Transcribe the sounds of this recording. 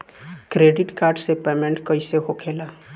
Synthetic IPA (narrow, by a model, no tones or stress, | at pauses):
kɾeːɖɪʈkaːɾɖsepeːmẽɳʈkəiseɦokʰeːlaː